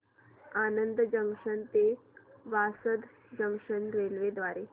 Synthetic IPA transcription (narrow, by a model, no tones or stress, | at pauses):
anənd̪əd͡ʑəŋkʂənt̪eʋasəd̪ | d͡ʑəŋkʂənɾelʋed̪ʋaɾe